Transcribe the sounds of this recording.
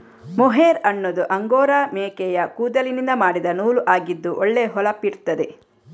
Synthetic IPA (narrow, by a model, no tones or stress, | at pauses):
mɔɦeːɾɐnːod̪uʔɐŋɡoːɾameːkɛjɐkuːd̪ɐlinind̪ɐmaːɽid̪ɐnuːluʔaːɡid̪ːuʔɔɭːeɦɔlɐpːiɾut̪ːɐd̪e